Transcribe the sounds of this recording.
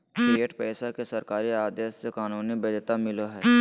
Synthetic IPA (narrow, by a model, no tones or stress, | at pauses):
kieːʈpɛːsakesɐɾkaːɾiaːd̪eːssekaːnuːnibɐd̪t̪amɪloɦɛː